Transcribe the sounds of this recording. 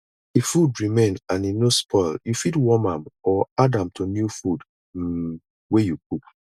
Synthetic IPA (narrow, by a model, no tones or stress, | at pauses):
ifudɹimẽnãninospʰɔɪljufidwɔmãmɔadãmtʰonjufud | wejuk̚uk